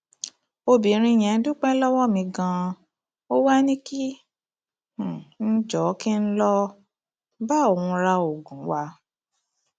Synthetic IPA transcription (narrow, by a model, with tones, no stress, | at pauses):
o˧bi˨˦ɾ̃ĩ˧j̃ɛ̃˨˦dũ˦k͡pɛ̃˦lɔ˦wɔ˦˨mĩ˧ɡã˧ | o˦wa˦nĩ˦ki˦ | h̩˨n̩˦d͡ʒɔ˨˦ki˦n̩˦lɔ˧ | ba˦o˨hũ˧ɾa˧o˨ɡũ˨˦wa˧˦